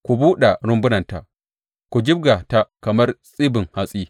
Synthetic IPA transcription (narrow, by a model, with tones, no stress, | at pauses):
kʷu˨buː˦ɗa˨ɽʊ˦mbʊ˦nɐ˨nta˨ʔ | kʷu˨d͡ʒɪ˦b̚ɡa˨ta˦kɐ˨mɐ˦rsʼiː˦bɪ˨ŋha˦sʼiː˦